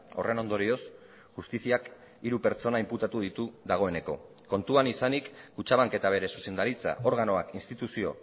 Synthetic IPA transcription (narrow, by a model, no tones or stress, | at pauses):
o̞̰re̞no̞nd̪o̞ɾio̞s | ʝust̪isiak | iɾupe̞ɾt͡so̞naimput̪at̪uð̞it̪uðaɣ̞o̞e̞ne̞ko̞̰ | ko̞nt̪uanisanikːut͡ʃaβ̞aŋke̞t̪aβ̞e̞ɾe̞su̥se̞nd̪aɾit͡sa̰ʔo̞ɾɣano̞akinst̪it̪usio̞̰